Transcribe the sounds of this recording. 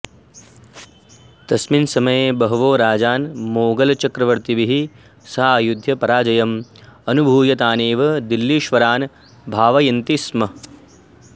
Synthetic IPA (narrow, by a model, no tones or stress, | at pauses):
t̪ɐsminsɐmɐjeːbɐɦɐʋoːɾaːd͡ʒaːnmoːɡɐlɐt͡ʃɐkɾɐʋɐɾt̪iʋiɦi | sɐɦaːjud̪ʱjɐpɐɾaːd͡ʒɐjɐmɐnubʱuːjɐt̪aːneːʋɐd̪ilːiːʃʋɐɾaːn | bʱaːʋɐjɐnt̪ismɐ